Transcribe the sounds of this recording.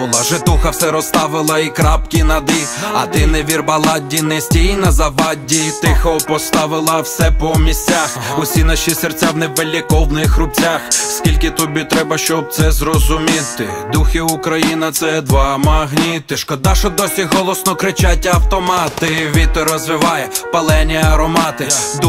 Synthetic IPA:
ʊlˠaʒɪt̪uxɐwsɛɾɔst̪ɑʋɪlˠɐikɾɑpkʲinɐd̪ɪ | ɐ̰d̪ɪnɪʋʲirbɐlˠɑdʲːinesʲtʲijinɐzɐbɑdʲːit̪ɪxɐpɔst̪ɑʋɪlˠɐwsɛpɔmʲisʲt͡sʲaxʊsʲinaʃisert͡sʲawnebelʲikɔwnɪxrʊp̚t͡sʲaxskʲilʲkɪt̪ɔbʲit̪ɾɛbɐʃt͡ʃɔb̚t̪sɛzɾɔzʊmʲit̪ɪd̪uxɪʊkɾɐjinɐt̪sɛd̪ʋɑmɐɦnʲit̪ɪʃkɔd̪ɑʃɔd̪ɔsʲiɦɔlˠɔsnɔkɾɪt͡ʃat̚ʲːɐwt̪ɔmɑt̪ɪʋʲit̪ɔɾɔzʋɪʋɑjɛpɐlˠɛnʲiɐɾɔmɑt̪ɪ

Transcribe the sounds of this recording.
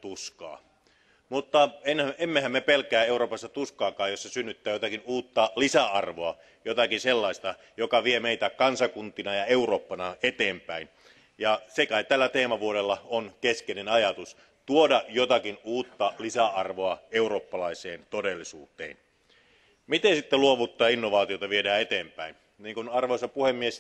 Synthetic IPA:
t̪uskɑ̰ː | mut̪ːɑenæemːehæmːepelkæːeuroːpɑst̪ɑt̪uskɑːkɑːjosːɑsynːyt̪ːæːjot̪ɑkinuːt̪ːɑlisæɑrʋoɑ | jot̪ɑkinselːɑist̪ɑ | jokɑʋiemeit̪ækɑnsɑkunt̪inɑjɑeuroːpːɑnɑet̪eːmpæin | jɑsekæit̪ælːæt̪eːmɑʋuoɾelːɑonkeskenenɑjɑt̪us | t̪uodɑjot̪ɑkinuːt̪ːɑlisæɑrʋoɑeuroːpːɑlɑiseːnt̪odelːisṵːt̪ˑḛːn | mit̪ensit̪ːeluoʋut̪ːɑːinːoʋɑːt̪iot̪ɑʋiedæːet̪eːmpæin | niːŋkunɑrʋoˑisːɑpuhemːies

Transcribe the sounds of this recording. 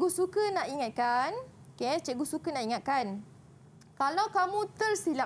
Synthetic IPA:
ɡusukənaʔiŋat̪̚kanoket͡ʃəɡusukənãʔiŋat̪̚kan | kalawkamũt̪ərsila

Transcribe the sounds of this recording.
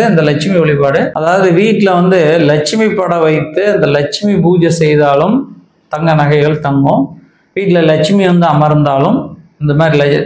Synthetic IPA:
ɯɪnd̪ɐlɐt͡ʃɪmiɔɭɪpaːɽɯɐðaːʋɐðɯʋiːʈːɪlɐʋɐnd̪ɯlɐt͡ʃɪmipːɐɽɐʋɐɪt̪ːɯɐnd̪ɐlɐt͡ʃɪmibuːd͡ʒɐsɛjðaːlɯm | t̪ɐŋɡɐnɐɣɐɪɣɐɭt̪ɐŋɡõ | ʋiːʈːɪlɐlɐt͡ʃɯmiʋɐnd̪ɯɐmɐɾnd̪aːlɯmɪnd̪ɐmaːd̪ɾilɐ

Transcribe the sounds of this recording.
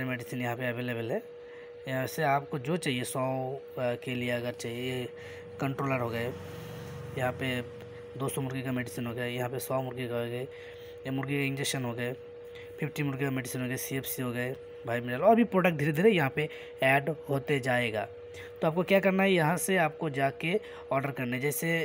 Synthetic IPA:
ɾemɛːɖɪsinjɐɦãpeɐʋeːlebəlɦɛː | seaːpkod͡ʒoːt͡ʃaːɦiesɔː | kelieɐɡəɾt͡ʃaːɦiee | kə̃ɳʈɾoːləɾɦoːɡɐe | jɐɦãpe | d̪oːsɔ̃mʊɾɡikamɛːɖɪsinɦoːɡɐjajɐɦãpesɔːmʊɾɡikaɡɐe | mʊɾɡikaɪ̃nd͡ʒekʃənɦoːɡɐe | pʰɪpʰʈimʊɾɡikameːɖɪsɪnɦoːɡəesieːpʰsiɦoːɡɐe | bʱaːimɪɖaːlɔːɾɐbʱipɾoːɖək̚ʈ̚d̪iːɾed̪ʱiːɾɛjɐɦãpe | ɛːɖɦoːt̪ed͡ʒaːeːɡa̰ː | t̪oaːp̚kokjaːkɐɾnaɦɛjɐɦãseaːp̚kod͡ʒaːke | ɔːɾɖəɾkɐɾnaɦɛd͡ʒɛːse

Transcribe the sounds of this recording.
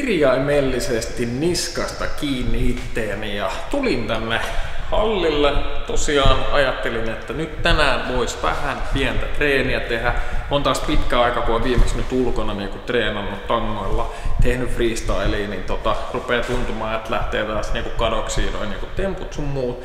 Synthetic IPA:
irjɑimeːlːisest̪inniskɑst̪ɑkiːnːiit̪ːeːnijɑt̪ulint̪ænːehɑlːilːet̪osiɑːnɑjɑt̪ːelinet̪ːænyt̪t̪ænæːnʋoisʋæ̰hænpiɛnt̪æt̪reːniæt̪ehæont̪ɑːspit̪kæɑikɑkuoʋiːmeksnyt̪ulkonɑniːŋkut̪reːnɑnːut̪t̪ɑŋːoilːɑ̰ | t̪ehnyfriːst̪ɑelinint̪ot̪ɑrupeːt̪unt̪umɑːet̪læht̪eːt̪ɑːsniːŋkukɑdoksiːno̰iniːŋkut̪emput̪sumːuːt̪

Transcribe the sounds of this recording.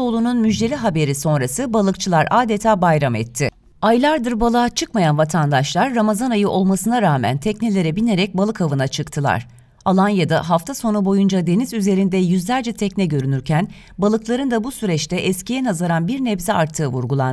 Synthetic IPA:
o̞lˠununmyd͡ʒd̪e̞lʲiɦabe̞ɾiso̞nɾasɯbalˠɯkt͡ʃʰɯlˠaɾʔaːd̪et̪ʰaːbajɾamɛ̰t̪ʰːɪ | ajlˠaɾd̪ɯɾbalˠaːt͡ʃʰɯkmajanvat̪ʰand̪aʃlˠaɾːamazanajɯʔo̞lˠmasɯnaɾaːmæ̰nt̪ʰɛcnelʲe̞ɾɛbine̞ɾɛc̚balˠɯkʰavɯnat͡ʃʰɯkt̪ʰɯlˠa̰ɾ̥ | alˠanjad̪aɦaft̪ʰaso̞nubo̞jund͡ʒad̪e̞nizyze̞ɾind̪ɛjyzlʲæɾd͡ʒɛt̪ʰɛcnɛɟø̞ɾynyɾcʰæn | balˠɯklˠaɾɯnd̪abusyɾɛt͡ʃt̪ʰɛʔɛscijɛnazaɾanbiɾnɛvziaɾt̪ʰːɯːvuɾɡulˠa̰n

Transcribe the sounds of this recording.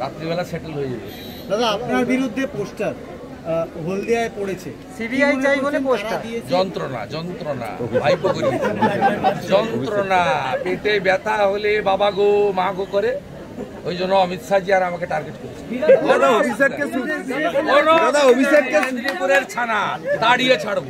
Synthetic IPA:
ɾa̰t̪ːɾibɛlaseʈelɦojebḛ | dad̪aapnaɾbiɾud̪ʱːeposʈaɾ | ɦold̪eaepoɽet͡ɕʰe | sibiajajoleosaad̪ied͡ʒɔnt̪ɾona̰d͡ʒɔnt̪ɾona̰bʱajpokoɾ | d͡ʒɔnt̪ɾonapeʈejbɛt̪aɦolebabaɡomaaɡokɔɾe | ojd͡ʒɔnɔɔmit̪ʃad͡ʒiaɾamakeʈaɾɡeʈkɔɾit͡ʃʰiad̪aɦobʱisakkesusonɔɾad̪ʱaobʱisakeipuɾeɾt͡ʃʰanat̪aɽiet͡ʃʰaɽbo

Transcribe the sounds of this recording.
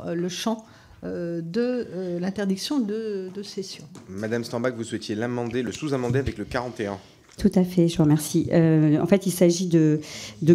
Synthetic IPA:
ləʃɑ̃ | ød̪əlɛ̃t̪ɛʁd̪iksjɔ̃d̪əd̪əsesjɔ̃mad̪amst̪ɑ̃bakvuswɛt̪jelamɑ̃d̪eləsuzãmɑ̃d̪eavɛkləkaʁɑ̃t̪eɛ̃ | t̪ʰut̪afɛʒəvuʁmɛʁsiʔøɑ̰̃fɛt̪ilsaʒid̪əd̪ə

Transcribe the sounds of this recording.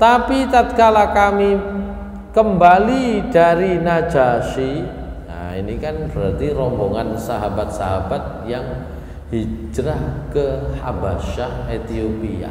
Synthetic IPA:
t̪apit̪at̪̚kalakami | kəmbalid̥aɾinḁd͡ʒaʃi | na̰inikanb̥əɾart̪iɾɔmboŋansaɦabat̪̚saɦabat̪̚jaŋ | hid͡ʒɾahkəha̰baʃahet̪iopia̰

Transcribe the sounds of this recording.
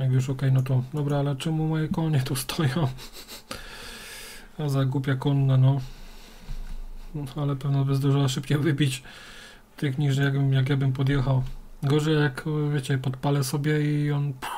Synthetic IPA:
jakjuʂ̬ɔkɛjnɔt̪̬ɔd̪ɔbɾaalɛt͡ʂɛmumɔjɛkɔɲɛt̪ust̪ʰɔjɔ̃ | azaɡupʲjakɔnːanɔ | alɛpɛvnabɘzd̪ɔʐɨwaʂɘpt͡ɕɛvɘbʲit͡ɕ | t̪ɘxɲiʐɛjaɡbɘmjak̬jabɘmpɔd̪jɛxaw | ɡɔʐɛjjakvʲjet͡ɕɛpɔt̪palɛsɔbʲjɛiɔnp

